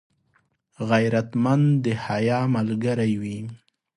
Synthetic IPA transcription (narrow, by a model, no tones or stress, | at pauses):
ɣajɾat̪mand̪d̪əhajɑmalɡaɾajwi